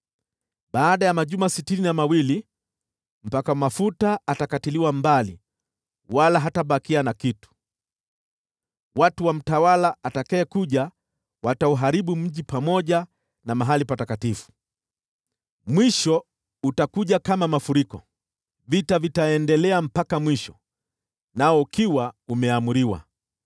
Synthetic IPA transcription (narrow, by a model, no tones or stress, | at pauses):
ɓaːɗajamaʄumasitininamawili | m̩pakamafutaatakatiliwambalḭ | walaɦataɓakianakitu̥ | watuwam̩tawalaatakɛːkuʄa | watauɦaɾiɓum̩ʄipamɔʄa | namaɦalipatakatifu̥ | mwiʃɔ | utakuʄakamamafuɾikɔ̰ | vitavitaɛndɛlɛam̩pakamwiʃɔ̥ | naɔukʰiwaumɛamuɾiwa̰